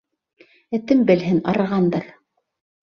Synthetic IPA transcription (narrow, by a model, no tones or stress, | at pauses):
ɘ̆t̪ɘmbɘ̆lɦɘnɑ̰ɾɤ̆ʁɑnd̪ɤɾ